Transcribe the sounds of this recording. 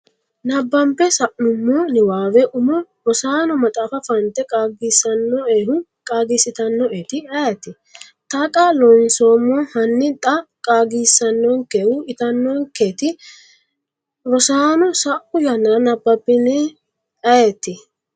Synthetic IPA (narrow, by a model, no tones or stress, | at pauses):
nɐbːɐmpːɛsɐʔnʊmːɔnɪwaːwɛʔʊmɔ | ɾɔsaːnɔmɐt̪ʼaːfɐfɐnt̪ːɛkʼaːɡiːsɐnːɔeːhʊ | kʼaːɡiːsɪt̪ɐnːɔʔeːt̪ɪɐjet̪ːɪ | t̪ɐkʼaːlɔnsoːmːɔhɐnːɪt̪ʼɐkʼaːɡiːsːɐnːɔŋkeːhʊɪt̪ɐnːɔŋkeːt̪ɪ | ɾɔsaːnɔsɐʔʊjɐnːanɐbːɐpːɪnɛ | ɐjet̪ːɪ